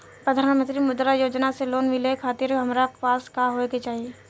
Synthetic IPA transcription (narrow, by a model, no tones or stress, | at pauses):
pɾəd̪ʱaːnmə̃nt̪ɾimʊd̪ɾajoːd͡ʒnaseloːnmɪlekʰaːt̪ɪɾɦɐmɾapaːskaɦoket͡ʃaːɦie